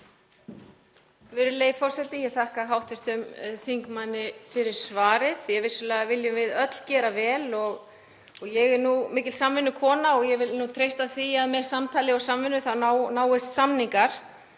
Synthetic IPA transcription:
vɪɾʏleːjvfɔr̥sɛt̪ɪjɛɣθahkaɦawht̪vɛst̪ʏmθiŋkmanːɪfɪɾɪɾ̥svaːɾɪθjɛɣvɪsːʏlɛːɣavɪljʏvɪðœt̪l̥cɛːɾavɛːlɔɣ | ɔɣjɛɣɛɾnumɪːcɪlsamvɪnːʏkʰɔːnaɔɣjɛɣvɪlnut̪ʰɾejst̪aθiaðmɛðsamt̪ʰaːlɪɔsamvɪnːʏθaanaːwɪst̪samniŋkaɾ̥

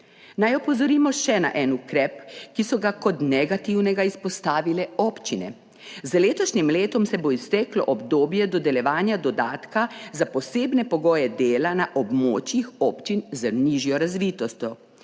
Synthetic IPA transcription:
najɔpɔzɔɾiːmɔʃɛna̰ʔɛnukɾɛpkisɔɡakɔt̪nɛɡat̪iwnɛɡaispɔst̪aːʋilɛɔːpt͡ʃinɛ̰ | zleːt̪ɔʃnimleːt̪ɔmsɛboist̪ɛklɔ̰ʔɔbd̪oːbjɛd̪ɔd̪ɛljɛʋaːnjad̪ɔd̪aːt̪kazapɔseːbnɛpɔɡɔːjɛd̪eːlanaʔɔbmoːt͡ʃjixɔːpt͡ʃinzəniʒjɔɾazʋiːt̪ɔst̪ʲjɔ

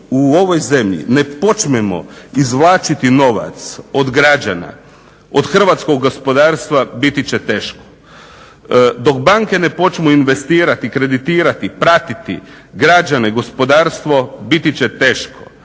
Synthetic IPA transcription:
uo̞ʋo̞jze̞mʎḭne̞po̞t͡ʃmemo̰izʋlˠaːt͡ʃit̪ino̞ʋa̰t̪sod̪ɡɾad͡ʒana̰ | o̰d̪xr̩ʋat̪sko̞ɡːospo̞d̪aːɾst̪ʋabit̪it͡ɕet̪eːʃko̥ | d̪o̞kbaŋke̞nepo̞t͡ʃmuinʋe̞st̪iːɾat̪ikɾe̞d̪it̪iːɾat̪ipɾat̪it̪ḭ | ɡɾad͡ʒaneɡo̞spo̞d̪aːɾst̪ʋo̞bit̪it͡ɕet̪e̞ːʃko̥

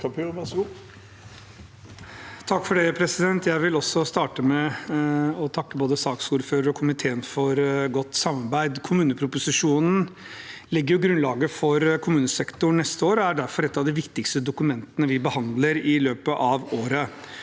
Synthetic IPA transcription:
kpːɛsu | t̪ʰɑkːfɔɖɛpʰɾɛsɪd̪ɛnt̪jæɪʋɪlɔsɔst̪ɑːʈəmɛ | ɔt̪ʰɑkːəboːd̪əsɑːksuːɾføːɾəɾɔkʰʊmɪt̪ʰeːənfɔɾɡɔt̪ːsɑmːɑɾbæɪd̪kʰʊmʉːnəpʰɾʊpʊsɪʂuːnn̩ | lɪɡːəɾjʊɡɾʉnlɑːɡəfɔɾkʰʊmʉːnəsɛkt̪ʊnɛst̪əoːɾɔæɖæɾfɔɾɛt̪ːɑʋd̪ɪʋɪkt̪ɪkst̪əd̪ʊkʉmɛnt̪ənəʋɪbəhɑnd̪ləɾɪløːpəʔɑʋoːɾə

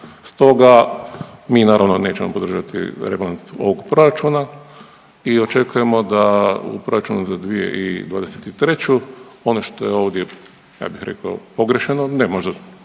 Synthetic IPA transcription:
st̪o̞ɡa | miːnaːɾaʋno̞ne̞ːt͡ɕemo̞pod̪r̩ʒat̪ʰḭɾeblanso̞̰ʋoɡpɾo̞ɾat͡ʃuna | io̞t͡ʃe̞kuje̞mo̞d̪aṵpɾo̞ɾat͡ʃunuzad̪ʋije̞̰ʔḭd̪ʋaːd̪ese̥t̪it̪ɾe̞t͡ɕuo̞noʃt̪o̞je̞o̞ːʋd̪je̞ | ja̰ːbixɾe̞̰kaopo̞ɡɾeʃenonemo̞ʒd̪a

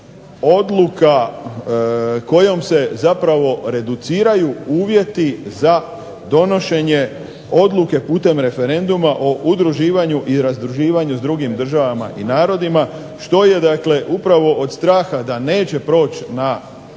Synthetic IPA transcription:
o̞d̪luka | ko̞jo̞mse̞zapɾaʋo̞ɾe̞d̪ut̪siːɾajuuːʋje̞t̪iza | d̪o̞no̞ʃe̞ɲe | o̞d̪lˠuke̞puːt̪e̞mɾe̞fe̞ɾe̞nd̪umaʔo̞ʔud̪ɾuʒiːʋaɲuʔiɾazd̪ɾuʒiːʋaɲuzd̪ɾuɡimd̪r̩ʒaʋama̰ʔinaːɾo̞d̪ima | ʃt̪o̞je̞d̪akle̞ʔupɾaʋo̞ʔod̪st̪ɾaːxad̪ane̞ːt͡ɕe̞pɾo̞ːt͡ɕna

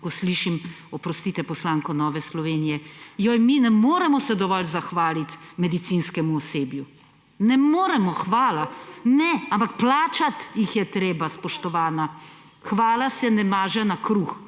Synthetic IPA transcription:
kɔsliʃim | ɔpɾɔst̪iːt̪ɛpɔslaːŋkɔnɔːʋɛslɔʋeːnijɛjɔjminɛmoːɾɛmɔsɛd̪ɔʋɔlzaxʋaːlit̪mɛd̪it̪sinskɛmuɔseːbju | nɛmoːɾɛmɔxʋaːlanɛampakplaːt͡ʃat̪jixjɛt̪ɾeːbaspɔʃt̪ɔʋaːna | xʋaːlasɛnɛmaːʒɛnakɾuːx

